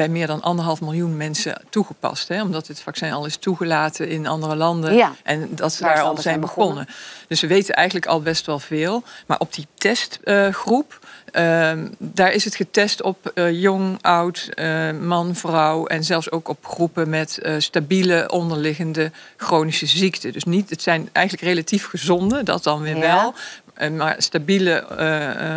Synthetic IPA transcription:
bɛjmɪːɹdɑnʔɑ̰ndəɹɦɑlˠfmɪlˠjunmɛnsə̰tuχəpɑ̰stɦɛɔmdɑtɦətfaksɛnɑlˠɪstuχəlaːtʰənɪnɑ̰ndərəlɑndəʔɛndɑtsədaːɹɔzɛjnbəɔnəd̥ɵsəʋejtənʔɛjɣənləkɑ̰lˠbɛstʋɛlˠvɪːlˠma̰ːɹʔɔb̚d̥itɛstχrup | daːɹɪsɦətχətɛstɔpjɔŋʔʌwtmɑnvrɑwɛnzɛlˠfsowkɔpxrupəmɛtstabiləʔɔndəɹlɪɣəndəxrownisəziktədɵsnitətsɛjnʔɛ̰jxənləkrelatifχəzɔndədɑ̰t̚dɑnʋɪːɹʋɛlˠ | maɹstabilə

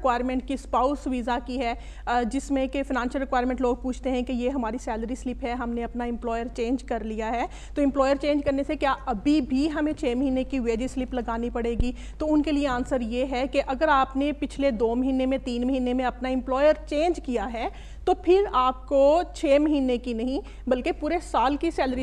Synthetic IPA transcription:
kwaːɪɾmɛ̃ɳʈ̚kispaːʊsʋizakiɦɛː | d͡ʒɪsmẽkefɪnãːnʃəlɾɪkwaːɪɾmɛ̃ɳʈloːɡ̚puːt͡ʃʰt̪eɦɛ̃kejeɦɐmaːɾisɛːləɾislɪpɦɛɦɐmneɐpnaɪ̃mplɔːjəɾt͡ʃẽːnd͡ʒkɐɾlijaɦɛː | t̪oɪ̃mplɔːjəɾt͡ʃẽːnd͡ʒkɐɾnesekjaʔɐbʱibʱiɦɐmẽt͡ʃʰeːmɐɦiːnekiʋeːd͡ʒislɪplɐɡaːnipɐɽeːɡi | t̪oʊnkelieãːnsəɾjeɦɛkeʔɐɡəɾaːpnepɪt͡ʃʰled̪oːmɐɦiːnemẽt̪iːnmɐɦiːnemẽɐpnaɪ̃mplɔːjəɾt͡ʃẽːnd͡ʒkijaɦɛː | t̪opʰɪɾaːp̚kot͡ʃʰeːmɐɦiːnekinɐɦĩ | bɐlkepuːɾesaːlkisɛːləɾi

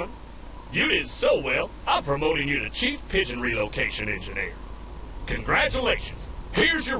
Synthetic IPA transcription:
jɨɾɪd̥soʊwɛlˠ | ãɪ̃mpʰɹ̥ɨmoʊɾɪ̃ŋjɨɾɨt͡ʃʰifpʰɪʒɨ̃nɹiloʊkʰeɪʃɨ̃nɛ̰̃nd͡ʒɨnɪ̰ɹ | kʰɨ̃nɡɹæt͡ʃəleɪʃɨ̰̃nz̥hɪɹzjə˞

